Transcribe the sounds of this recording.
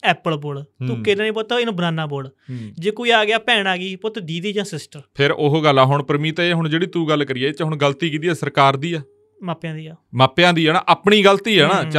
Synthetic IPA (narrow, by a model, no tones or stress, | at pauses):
ɛːpəlboːɽt̪ũːkenãːnĩːbot̪aɪnũːbənaːnaːboːɽd͡ʒeːkoːiːaːɡɪjaːpɛːɽaːɡiːpoːt̪ed̪iːd̪iːd͡ʒãːsɪsʈəɾpʰɪɾoɦoɡəlːaːɦʊɳpəɾmiːt̪ãːeːɦʊɳd͡ʒeːɽiːt̪uːɡəlːkəɾiːɛːt͡ʃːɦʊɳɡəlt̪iːkiːt̪iːɛːsəɾkaːɾd̪iːaː | maːpjãːd̪iːaːmaːpːjãːd̪iːɛːnã̰ːʔəːpɳiːɡəlt̪iːɛːnãːt͡ʃ